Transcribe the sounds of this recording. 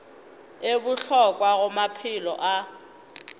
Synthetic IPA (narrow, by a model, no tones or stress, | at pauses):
ebʊɬɔkʼwaɣʊmapʰɪlɔ̰ʔa